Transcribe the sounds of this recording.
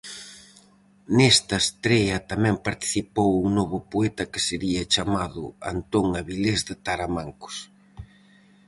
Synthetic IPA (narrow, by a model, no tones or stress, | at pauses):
nest̪ɐest̪ɾɛɐt̪amɛ̃mpaɾt̪i̥θipowuŋnoβʊpoɛt̪ɐkɪseɾiɐt͡ʃamaðʊ̰a̰nt̪oŋaβilezðɪt̪aɾamaŋkʊ̥s